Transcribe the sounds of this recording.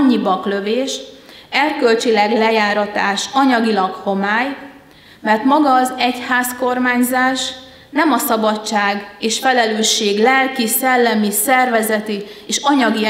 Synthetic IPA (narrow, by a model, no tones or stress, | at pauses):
ɲːibɒklø̞veːʃ | ɛrkø̞lt͡ʃilɛɡlɛjaːɾɒt̪aːʃɒɲɒɡilɒkho̞maːj | mɛrt̪mɒɡɒːzɛchaːsko̞rmaːɲzaːʃ | nɛmɒsɒbɒtt͡ʃːaːɡeːʃfɛlɛløːʃːeːɡlɛlkisɛlːɛmisɛrvɛzɛt̪ieːʃɒɲɒɡi